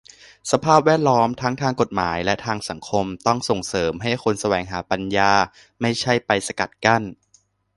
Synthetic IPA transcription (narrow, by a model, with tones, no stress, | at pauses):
sa˧pʰaː˥˩p̚wɛː˥˩t̪̚lɔː˦˥mt̪ʰa˦˥ŋt̪ʰaː˧ŋko˨˩t̪̚maː˩˦jlɛ˦˥t̪ʰaː˧ŋsa˩˦ŋkʰo˧mt̪ɔ˥˩ŋso˨˩ŋsɤː˩˦mɦa˥˩jkʰo˧nsa˧wɛː˩˦ŋɦaː˩˦pa˧njaː˧ | ma˥˩jt͡ɕʰa˥˩jpa˧jsa˧ka˨˩t̪̚ka˥˩n